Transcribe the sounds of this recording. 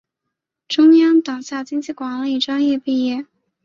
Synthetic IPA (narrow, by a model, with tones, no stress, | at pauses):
ʈ͡ʂʊ˥ŋjɑ˥ŋt̪ɑ˨˩ŋɕja˥˩t͡ɕi˥ŋt͡ɕi˥˩kwɑ˧˥ŋli˨˩ʈ͡ʂwɑ˥ŋjɛ˥˧pi˥˧jɛ˥˩